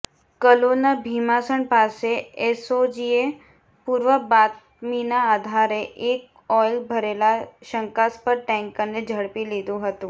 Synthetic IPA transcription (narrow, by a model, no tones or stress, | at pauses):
kəlonabʱimasəɳpaseesod͡ʒie | puɾʋəbat̪ | minaːd̪ʱaɾeʔek̚ | ɔjlbʱəɾelaʃəŋkaspəɾʈɛ̃ŋkənːed͡ʒʱəɽpilid̪ũɦət̪ũ